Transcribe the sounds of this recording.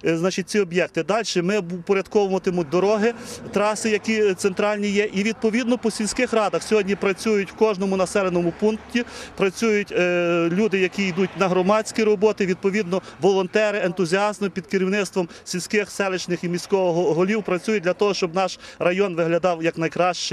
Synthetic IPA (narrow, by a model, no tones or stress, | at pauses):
znɑt͡ʃɪt̪̚ʲt͡sʲiɔbjɛk̚t̪ɪd̪ɑlʲʃɛmɪpɔɾʲjɐd̪kɔʋɐmɔt̪ɪmʊd̪ɔɾɔɦɪt̪ɾɑsɪjɐkʲit̪sent̪ɾɑlʲnʲijɛʔiʋʲid̪̚pɔʋʲid̪nɔpɔsʲilʲsʲkɪxrɑd̪ɐxsʲɔɦɔdʲnʲipɾɐt͡sʲujʊtʲwkɔʒnɔmʊnɐsɛlˠenɔmʊpunktʲipɾɐt͡sʲujʊtʲlʲud̪ɪjɐkʲiid̪utʲnɐɦɾɔmɑt͡sʲkʲiɾɔbɔt̪ɪʋʲid̪̚pɔʋʲid̪nɔʋɔlˠɔnt̪ɛɾɪent̪ʊzʲiɑzmɪpʲid̪̚kɪɾʲiwnɪt̪st̪ʋɔmsʲilʲsʲkɪxsɛlˠɪt͡ʃnɪximʲisʲkɔʋɔɦɔɦɔlʲiwpɾɐt͡sʲujʊt̚ʲd̪ʲlʲɐt̪ɔɦɔʃt͡ʃɔbnɑʃrɐjɔnʋɪɦlʲɐd̪ɑwjɐknɐjkɾɑʃt͡ʃɛ